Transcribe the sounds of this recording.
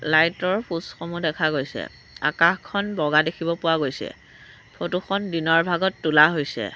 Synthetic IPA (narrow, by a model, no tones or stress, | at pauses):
lajtɔɹpʰusxomudɛkʰaɡojsɛ̰ | a̰kaxkʰːɔnbɔɡadekʰibɔpʊwaɡojsɛ̰ | pʰotuxʰɔndinɔɹbʱaɡɔtːulaɦojsɛ̰